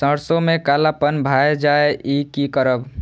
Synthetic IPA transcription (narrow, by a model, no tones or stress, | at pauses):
sə̃ɽsomekalapənbʱaed͡ʒaeʔikikəɾəb